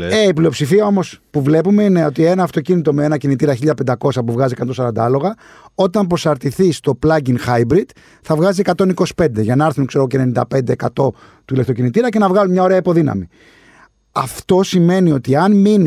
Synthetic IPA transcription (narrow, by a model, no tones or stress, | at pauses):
e̞iplio̞psifiɐo̞mo̞spuvle̞pume̞ine̞o̞t̪ie̞nɐːft̪o̞cinit̪o̞meenɐcinit̪iɾɐçiʎɐpend̪ɐko̞sɐpuvɣɐziekɐnt̪o̞sɐɾɐnd̪ɐɐlo̞ɣɐ | o̞t̪ɐmpɾo̞sɐɾt̪iθist̪o̞plɐɟinxɐjbɾid̪̥ | θɐvɣɐzie̞kɐt̪o̞niko̞si̥pe̞nd̪e̞ʝɐnɐɐɾθunkse̞ɾo̞ɣocene̞nind̪ɐpe̞nd̪e̞ːkɐt̪o̞ | t̪uilekt̪o̞cinit̪iɾɐce̞nɐvɣɐlunmɲɐo̞ɾe̞ɐipo̞ðinɐ̰mi | ɐft̪o̞sime̞nio̞t̪iɐnmin